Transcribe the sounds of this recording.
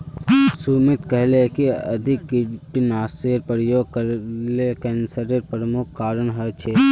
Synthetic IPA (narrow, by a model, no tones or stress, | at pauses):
sumɪt̪kəɦlekiɐ̰d̪ʱɪkːʈinaːseɾpəɾjoːɡkəɾlekɛ̃ːnsəɾeɾpɾəmʊkʰːaːɾənɦət͡ʃʰeː